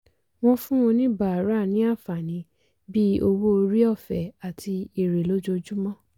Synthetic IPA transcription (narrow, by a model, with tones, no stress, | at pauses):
w̃ɔ̃˧fũ˦wɔ̃˧nĩ˦ba˨ɾa˦˨nĩ˨˦a˦˨fa˨nĩ˨˧˦ | bi˦o˧wo˦o˧ɾi˦ɔ˦˨fɛ˨a˨tʰi˧i˨ɾe˨lo˦d͡ʒo˧d͡ʒu˦mɔ̃˦˨